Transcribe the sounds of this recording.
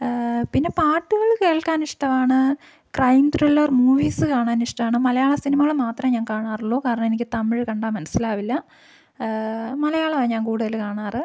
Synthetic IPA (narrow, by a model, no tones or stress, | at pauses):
pinːe̞paːʈːɨɣɐɭke̞ːɭkaːniʂʈɐʋaːɳɨ | krɐjmt̪rilːɐrmuːʋiːsɨkaːɳaːniʂʈɐmaːɳɨmɐlɐjaːɭɐsinimɐɣɐɭmaːt̪rɐmɲaːnkaːɳaːruɭːoːkaːɾɐɳɐmenikʲːɨt̪ɐmiɻkɐɳɖaːmːɐnɐsilaːʋilːɐ | mɐlɐjaːɭɐʋɐɲaːnkuːɽuðɐlkaːɳaːrɨ